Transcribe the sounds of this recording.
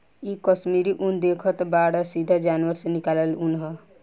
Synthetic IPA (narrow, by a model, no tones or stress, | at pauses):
ikəʃmiɾiʔund̪ekʰət̪baɽəsid̪ʱəd͡ʒanʋəɾsenikaləlunɦə